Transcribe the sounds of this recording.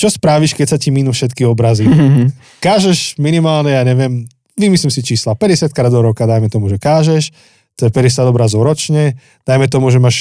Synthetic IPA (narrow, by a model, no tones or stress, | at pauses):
t͡ʃɔspɾaʋiʃkɛcsaciminufʃɛt̪kiɔbɾazi | kaːʒɛʃminimaːlɲɛjaːɲɛʋɪɛm | ʋimislimsit͡ʃiːslapɛɟɛsɪat̪̚kɾaːd̪ɔɾɔkad̪ajmɛt̪ɔmuʒɛkaːʒɛʃ | t̪ɔɛpɛɟɛs̬ɪad̪ɔbɾazɔʊɾɔt͡ʃɲɛ | d̪̥ajmɛt̪̬ɔmuʒɛmaːʃ